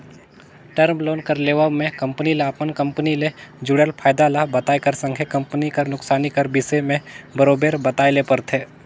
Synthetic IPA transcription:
ʈəɾmloːnkəɾleːʋəmẽkɐ̃mpənilaɐpənkɐ̃mpəniled͡ʒʊɽelpʰaːɪd̪alabɐt̪aːekɐɾsə̃ŋɡʱekɐ̃mpənikɐɾnʊksaːnikɐɾbɪsemẽbəɾoːbeːɾbət̪aːjlepəɾt̪ʰeː

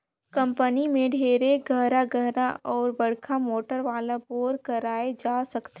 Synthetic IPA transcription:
kɐ̃mpənimẽɖʱeːɾeɡʱəɦɾaɡəɦɾaʔɔːɾbɐɽkʰamoːʈəɾʋaːlaboːɾkɐɾaːed͡ʒaːsɐkt̪e

